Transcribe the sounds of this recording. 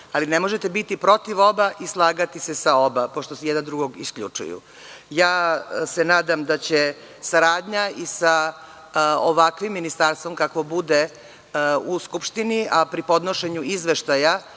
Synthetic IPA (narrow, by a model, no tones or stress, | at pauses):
alinemo̞ʒet̪ebit̪ipɾo̞t̪iʋo̞baʔislˠaːɡat̪isesao̞bapo̞ʃt̪osejɛd̪and̪ɾuɡoɡḭskʎṵt͡ʂṵjṵ | jaːsenaːd̪amd̪at͡ɕe̞ | saɾaːd̪ɲaisa | oʋakʋimːinist̪aɾst̪ʋo̞mkakʋo̞bud̪e | uskupʃt̪iniʔapɾipo̞d̪noʃe̞ɲuizʋeʃt̪aja